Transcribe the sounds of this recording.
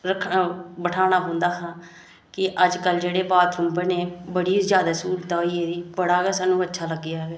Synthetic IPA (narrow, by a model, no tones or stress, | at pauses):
ɾəkʰːbəʈʰaːɽ̃aːɦõːnd̪aːɦãː | kɪʔəd͡ʒkəld͡ʒeːɽeːbaːt̪ʰʊmbəneːbəɽiːzjaːd̪aːsuːlt̪aːiːeːd̪iːbəɽaːɡəːsaːnːũːətːʃʰaːləɡːɪjaːɦeː